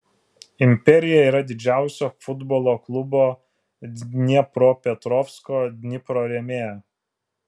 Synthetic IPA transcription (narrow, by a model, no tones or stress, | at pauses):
ɪmʲpʲɛɾʲɪjɛiːɾɐd̪ʲɪd͡ʒʲæˑʊsʲoːfʊd̪bɔːlˠoːklˠʊboː | nʲiɛpɾoːpʲɛt̪ɾɔfskoːd̪ʲnʲɪpɾoːɾʲɛmʲeː